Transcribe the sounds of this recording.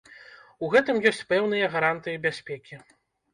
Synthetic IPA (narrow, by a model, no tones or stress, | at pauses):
uɣɛt̪ɨmjɔsʲt͡sʲpɛwnɨjɐɣaɾant̪ɨjɐbʲasʲpʲɛkʲi